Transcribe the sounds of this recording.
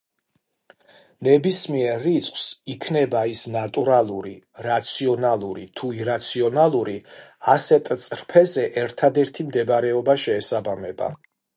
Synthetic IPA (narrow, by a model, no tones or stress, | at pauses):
nɛbismiɛɾːit̪sʰχwsikʰnɛbaisnat̪ʼuɾalˠuɾiɾat̪sʰiɔnalˠuɾḭt̪ʰuiɾat̪sʰiɔnalˠuɾiasɛt̪ʼt̪sʼɾpʰɛzɛʔɛɾt̪ʰad̪ɛɾt̪ʰimd̪ɛbɾɛɔbaʃɛːsabamɛba̰